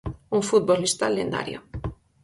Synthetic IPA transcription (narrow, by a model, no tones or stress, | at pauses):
uŋfut̪̚bolːist̪alːend̪a̰ɾjo̰